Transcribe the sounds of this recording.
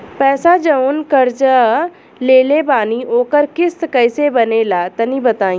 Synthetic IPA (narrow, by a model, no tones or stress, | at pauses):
pɛːsad͡ʒɐʊnkɐɾd͡ʒa | leːlebaːniʔoːkəɾkɪskɐɪsebɐnelaːt̪ɐnĩbɐt̪aːĩ